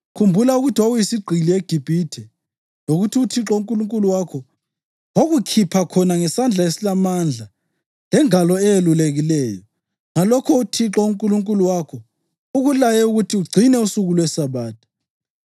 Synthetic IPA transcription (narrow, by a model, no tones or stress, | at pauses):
kʰumbʱulauɣutʰiwaujisiɡ͡ǀʱilieɡ̥ʱib̥ʱitʰɛ | loɣutʰiutʰiǁɔuŋkʼuluŋkʼuluwakʰɔ | woɣukʰipʰakʰɔnaŋɛsand͡ɮʱaesilamand͡ɮʱa | lɛŋalɔɛjeluleɣilɛːjɔ | ŋalɔkʰɔutʰiǁɔuŋkʼuluŋkʼuluwakʰɔ | uɣulajɛuɣutʰiuɡ͡ǀʱinɛusuɣulwɛsaβaːtʰu̥